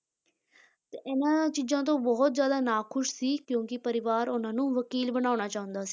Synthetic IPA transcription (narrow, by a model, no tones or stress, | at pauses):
t̪eːʔɪnãːt͡ʃiːzãːt̪̬õːbɔːt̪zjaːd̪aːnaːkʰʊʃsiːkjõːkɪpəɾɪʋaːɾʊnãːnũːʋəkiːlbənaːʊnaːt͡ʃaːɦʊ̃nd̪aːsi̥ː